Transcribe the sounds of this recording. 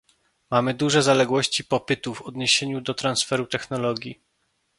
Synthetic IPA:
mamɘd̪uʐɛzalɛɡwɔɕt͡ɕipɔpɘt̪uvɔd̪ɲeɕeɲud̪ɔt̪ɾansfɛɾut̪ɛxnɔlɔɡʲji

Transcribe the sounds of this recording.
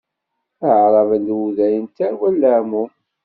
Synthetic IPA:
əʕɾˤɑvənd̪wuðæjənt̪æɾwælːəʕmu

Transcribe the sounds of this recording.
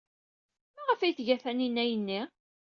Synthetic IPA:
mæʁəfæjθʝæθæninːæjənːi

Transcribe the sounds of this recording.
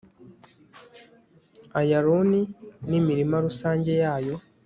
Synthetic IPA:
ajaɾuninimiɾimaɾusaːɲɟe̞jaːjo̞

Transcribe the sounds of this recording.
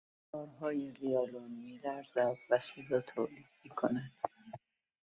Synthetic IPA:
ɒːɾɦɒːjeriɒːlonimiːlæɾzæd̪væsiːlɒːt̪ʰo̰ːliːd̪̥miːkʰonæd̪̥

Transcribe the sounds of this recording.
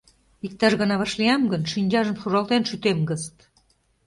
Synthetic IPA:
ik̚t̪ɑʃɣənɑβɑʃliɑmɡənʃinʲd͡ʑɑʒəmʃuɾɑlˠt̪enʃyt̪emɡəzət̪

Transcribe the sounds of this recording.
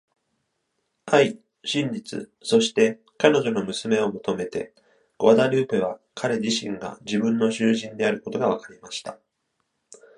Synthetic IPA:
ai | ɕĩɲ̟d͡ʑit͡sɨ̰so̞ɕi̥t̪e̞ | kano̞ʑo̞no̞mɯ̟sɨme̞o̞mo̞t̪o̞me̞t̪e̞̰ | ɡ̥oad̪aɾɯ̟ːpeβ̞akʰaɾe̞ʑiɕḭ̃ŋɡa̰d͡ʑibɯ̟̃nːo̞ɕɨːʑĩnd̪e̞aɾɯko̞t̪o̞ɡaβ̞akaɾʲimaɕi̥t̪a

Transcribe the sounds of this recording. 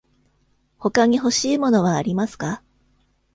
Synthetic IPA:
ho̞kaɲ̟iɦo̞ɕiːmo̞no̞β̞aːɾʲimasɨ̥ka

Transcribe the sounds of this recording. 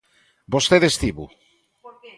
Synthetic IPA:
bost̪eðest̪iβṵ

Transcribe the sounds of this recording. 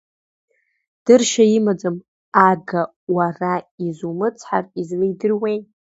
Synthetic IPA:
d̥ɨrʃaimad͡zɨm | aɡa | waraizumɨt͡sʰħarizlɨjdɨrwej

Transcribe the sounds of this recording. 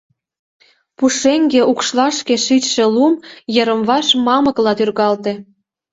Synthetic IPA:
puʃeŋɡeʔukʃlɑʃkeʃit͡ɕʃĕlumjəɾə̆mβɑʃmɑmə̆klɑt̪yrɣɑlt̪ĕ

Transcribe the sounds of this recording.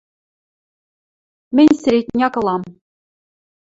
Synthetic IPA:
mɘ̆nʲsɘ̆ɾʲet̪ʲnʲɑkɤ̆lˠɑm

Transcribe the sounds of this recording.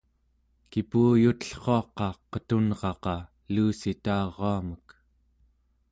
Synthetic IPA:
kipuːjut̪əɬχo̞ɑqɑqət̪unʁɑqɑ | luːsit̪aːʁːoamək

